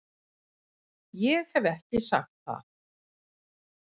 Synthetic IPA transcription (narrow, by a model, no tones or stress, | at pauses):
jɛɣhɛvɛhcɪsa̰xt̪̚θa̰θ